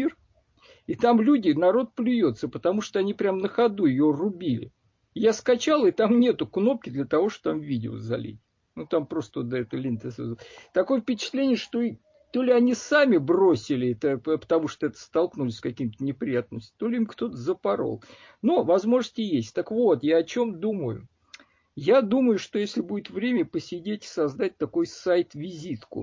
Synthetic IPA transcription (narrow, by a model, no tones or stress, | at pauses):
ir | ɪt̪amlʲudʲɪnɐɾo̞t̪̚plʲɪjot̪səpət̪ɐmuʂt̪oɐnʲipɾʲamnəxɐd̪uɪjorʊbʲilʲɪ̰ | jaskɐt͡ɕalˠɪt̪amnʲe̞t̪ʊkno̞p̚kʲɪd̪lʲət̪ɐvo̞ʂt̪o̥t̪amvʲidʲɪ̰o̰zɐ̰lʲḛtʲ | nut̪ampɾo̞st̪əod̪ɛt̪əlʲɪnʲt̪əsɛt̪ɐko̞jəfpʲɪt͡ɕɪ̥t̪lʲenʲɪjəʂt̪o̞ | t̪o̞lʲɪɐnʲisamʲɪbrosʲɪlʲɪt̪əppə̥t̪ɐmuʂt̪oɛt̪ə̥st̪ɐlˠknulʲɪsʲskɐkʲimt̪ənʲɪpɾʲɪjat̪nəmʲsʲtʲɪ̥t̪o̞lʲɪimkt̪o̞t̪əzəpɐɾo̰lˠ | novɐzmo̞ʐəsʲtʲɪjesʲtʲt̪əkvo̞t̪jaɐt͡ɕo̞md̪uməjʊ̰ | jad̪uməjʊʂt̪o̞jesʲlʲɪbudʲɪt̪vɾʲemʲəpəsʲɪdʲetʲɪ̥sɐzd̪at̚ʲt̪ɐko̞jsajt̪vʲɪzʲit̪kʊ̰